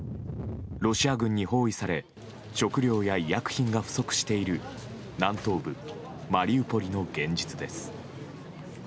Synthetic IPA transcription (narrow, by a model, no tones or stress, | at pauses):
ɾo̞ɕiaɡɯ̟̃ɲ̟ːiho̞ːisaɾe̞ | ɕo̞kɯ̟ɾʲo̞ːjaijakɯ̟̥çĩŋɡaɸɯ̟̥so̞kɯ̟̥ɕi̥t̪e̞iɾɯ̟ | nãnt̪o̞ːbɯ̟ | maɾʲiɯ̟po̞ɾʲino̞ɡẽ̞ɲ̟d͡ʑit͡sɨd̪e̞sɨ̥